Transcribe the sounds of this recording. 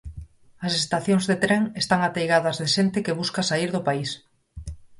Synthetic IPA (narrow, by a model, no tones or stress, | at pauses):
ɐsest̪aθjoŋzðet̪ɾeŋest̪aŋat̪ejɣaðɐzðeʃent̪ɪkeβuskasaiɾðʊpais